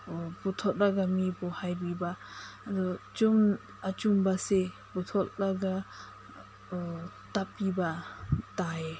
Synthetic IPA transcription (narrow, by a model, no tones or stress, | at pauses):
butʰɔt̚laɡamibɔhajbibaːdɔt͡ʃum | at͡ʃumbase | butʰɔt̚laɡa | tapːibatae